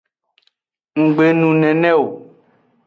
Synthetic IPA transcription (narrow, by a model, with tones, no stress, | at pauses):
ŋ̩˨ɡ͡be˨nũ˨nɛ̃˨nɛ̃˦o˨